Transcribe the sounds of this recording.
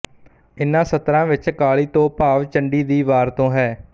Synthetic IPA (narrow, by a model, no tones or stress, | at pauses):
ɪnːãːsət̪ɾãːʋɪt͡ʃkaːɭiːt̪õːpaːʋt͡ʃəɳɖiːd̪iːʋaːɾt̪õːɦɛː